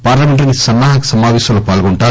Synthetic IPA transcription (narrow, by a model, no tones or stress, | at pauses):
paːɾlɐmeɳʈɐnisɐnːaːɦɐkɐ̥sɐmaːʋeːʃɐmlopaːlɡoɳʈaː